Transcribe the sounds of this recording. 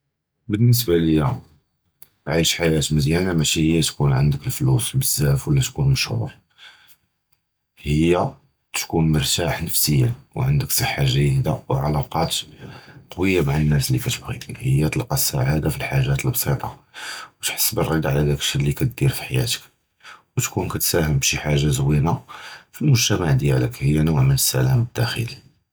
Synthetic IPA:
bənːəs̬baləjːæ | ʕiʃħajæt̪məzjænamæʃihəjːæt̪kunʕə̰nd̪əkəlflusbəzːæfwlːæt̪kunməʃhṵɾ | həjːa | t̪kunməɾˤt̪aħnəfsəjːawʕənd̪əksˤɑħːaʒjid̪awʕalɑqɑt̪qɑwəjːamaʕanːæslikæt̪əbɣḭhəjːæt̪ˤlqɑsːa̰ʕad̪afilħaʒːæt̪əlbsˤit̪ˤɑwət̪ħə̥sːbərˤːid̪aʕlæd̪ækəʃədlikæt̪̚d̪iɾfi̥ħajæ̰t̪ə̥k | wət̪kunkæt̪sæhəmbʃiħaʒːazəwinafilmʊʒt̪æmaʕd̪jæləkhəjːanʊʕmənəsːælæməd̪̥ːæxə̰li

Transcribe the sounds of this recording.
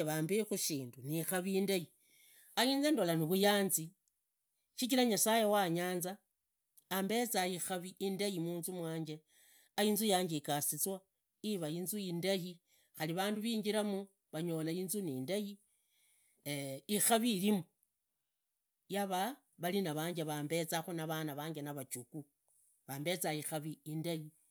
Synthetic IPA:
βaːmbexuʃiːndunixaβiːndaji | ajiːnzendo̞laniβujaːnzi | ʃit͡ʃilaɲasajewaɲaːnzaː | mbe̞t͡saixaβiːndajimuːnzumwaːɲd͡ʒe̞ | ajiːnzujaːɲɡekasit͡swa | iβainzuindaji | xaliβaːnduβiːɲɡiɾamu | βaɲo̞ːlaiːnzuniːndaji | ixaβilimu | jaβa | βalinaβaːɲɟeβaːmbe̞t͡saxunaβanaβaːŋɡenaβat͡ʃuku | βaːmbe̞t͡saixaβiindaji

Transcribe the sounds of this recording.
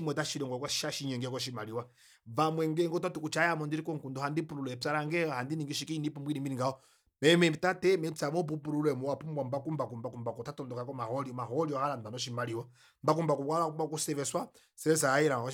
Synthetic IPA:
imwɛtaʃiɾɔŋɡɔkaʃaʃiɲɛŋɡɛkɔʃ̬imaliwa | vamwɛŋɡɛŋɡɔtatukut͡ʃajamɔndiɾikɔŋkundɔhandipuɾulɛt͡saɾaŋɡɛahandiniŋɡiʃikiinipumbwiniminiŋɡaɔ | mɛmɛpitatɛmɛsamɔp̬upuɾulɛmuwapumbwambakumbak̬umbakumbakɔtatɔndɔkakɔmahɔliɔmaɦɔliwahalandanɔʃ̬imaliwa | mbak̬umbakukaakumbakusɛvɛswa | sɛɛs̬aiɾa

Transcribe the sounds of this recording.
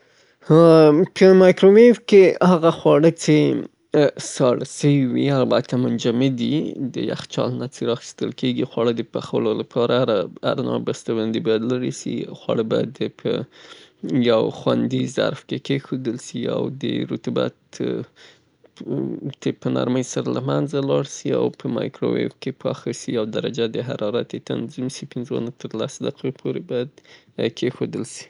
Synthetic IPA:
hpʰəmɑjkɾowefkehaɣaxwɑɽət͡se | sɑɽsəwiwialbat̪ʰamʊnd͡ʒamɪd̪id̪əja̰xt͡ʃɑ̰lnat͡seɾɑxi̥st̪əlkeɡixwɑɽəd̪əpaxawəlolapʰɑɾaɾa̰ɾnɑ̰bast̪awand̪ebɑjad̪laɾisḭxwɑ̰ɽəbɑjad̪pʰə | jawxwand̪iza̰ɾfkekexod̪əlsia̰wd̪ə̰ɾut̪uba̰t̪ | t̪epəna̰ɾməjsaɾalamanzalɑɽsia̰wpʰəmajkɾo̰wḛfkepʰɑxasiawd̪aɾad͡ʒad̪əɦaɾɑɾat̪et̪a̰nzimsipɪnzo̰nat̪əɾlasd̪aqʰopʰoɾebɑjad̪ | kʰexod̪əlsi̥

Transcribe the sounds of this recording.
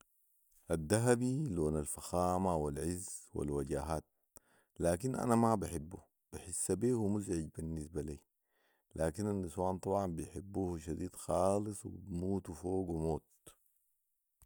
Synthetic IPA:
ʔad̪ːaɦabiloːnalfaxaːmawalʕizwa̰lwaɟaːɦaːt̪̚ | laːkinʔa̰namabaħibːu | b̥iħisːabiːhumuzʕiɟbinːis̬baliː | laːkinanːiswaːnt̪ˤɑbʕɑmbijħibːuːhʃad̪iːd̪xaːlɨsˤwḭbmuːt̪foːɡwimoːt̪̚

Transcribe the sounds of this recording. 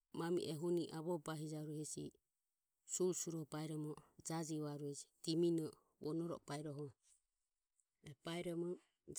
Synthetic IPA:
mamḭʔɛɦuniʔaβɔbaɦid͡ʒaɾuhɛsḭ | suɾsuɾɔbaiɾɔmɔd͡ʒad͡ʒiβaɾuɛd͡ʒi̥t̪iminɔ | βɔnɔɾɔ̰baiɾɔɦɔ | ɛb̥aiɾɔmɔ

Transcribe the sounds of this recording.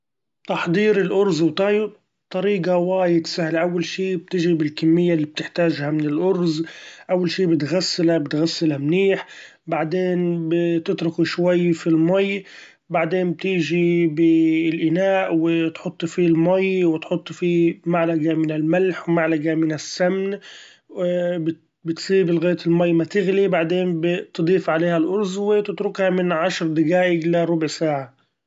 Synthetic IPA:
t̪ɑħd̪ˤiːɾɪlʔʊɾzwt̪ˤɑj | t̪ˤːɑɾiːɡawaːjɪd̪sahlaʔawːalʃiːb̚t̪ɪʒibɪlkamːɪjːalːiːb̚t̪ɪħt̪aːʒhamɪnɪlʔʊɾzʔawːalʃiːbɪt̪ɣasːɪlabɪt̪ɣasːɪlamniːħ | baʕd̪eːnbt̪ɪt̪ɾʊkuʃwajːfilmaj | baʕd̪eːmb̚t̪ɪːʒibɪlʔɪnaːʔwɪt̪ħʊt̪ˤːfilmajwɪt̪ħʊt̪ˤːfimaʕlaɡamɪnɪlmalħwmaʕlaɡamɪnɪsːamn | b | bɪt̪sˤiːbɪlɣeːt̪ɪlmajːmat̪ɪɣlibaʕd̪eːnbɪt̪d̪ˤiːfʕaleːhalʔʊɾzwɪt̪ɪt̪ɾʊkhamɪnʕaʃɾˤd̪ɪɡaːʔɪɡlaɾˤʊbʕsaːʕa

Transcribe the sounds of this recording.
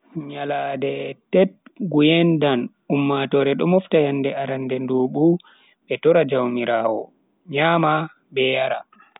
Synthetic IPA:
ɲaladɛtɛt̚ɡujɛndan | umːatɔːɾɛɗɔmɔftajandɛaɾandɛndoːɓu | ɓɛtɔɾad͡ʒawmiɾaːwɔ̰ | ɲaːma | bɛjaɾa

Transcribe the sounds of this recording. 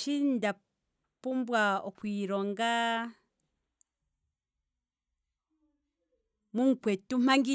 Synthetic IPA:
ʃinda | pumbwaokwiɾoŋɡa | muŋkwetːum̥aŋɡi

